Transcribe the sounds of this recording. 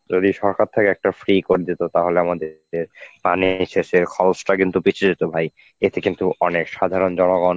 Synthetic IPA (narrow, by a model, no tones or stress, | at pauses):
d͡ʑod̪iʃɔɾkaɾt̪ʰekeɛk̚ʈafɾikoɾed̪it̪ot̪aɦoleamad̪e | ɾpaniʃeʃeɾkʰɔlsʈakint̪upit͡ɕʰed͡ʑit̪obʱaj | et̪ekint̪uɔnekʃad̪ʱaɾond͡ʑɔnoɡɔn